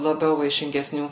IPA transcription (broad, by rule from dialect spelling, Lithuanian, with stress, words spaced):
lˠɐˈbʲɛʊ ʋɐɪʃʲɪŋʲɡʲɛˈsʲnʲuː